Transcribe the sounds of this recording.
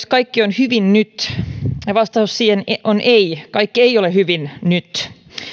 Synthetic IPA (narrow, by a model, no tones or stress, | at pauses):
skɑikːionhyʋinnyt̪ | ɑʋɑst̪ɑhusːiːenʔonʔeikɑikːieiolehyʋinnyt̪